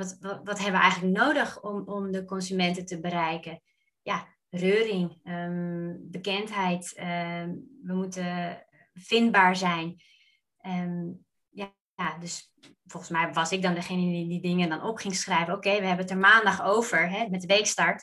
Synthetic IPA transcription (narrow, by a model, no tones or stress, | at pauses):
tʋɑtɦɛbəʋəʔɛ̰jɣənləknowdəχɔmɔmdəkɔnsymɛntətəbəɾɛjkə | ja | røːrɪŋəbəkɛntɦɛjtə | ʋəmutə | fɪndbaːɹzɛjn | ə | ja | jadøs | fɔlˠχənsmɛjʋɑsɪk̚dɔndəχejnədididɪŋəndɔnɔpχɪŋsχrɛjvəowkejʋəɦɛbənətəɹmaːndɑχowvəɹɦɛmɛtdəʋejkstɑɹt